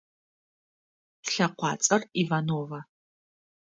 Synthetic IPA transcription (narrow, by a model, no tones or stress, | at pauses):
ɬɐqʷɑːt͡sʼɐrivaːnoːvɐ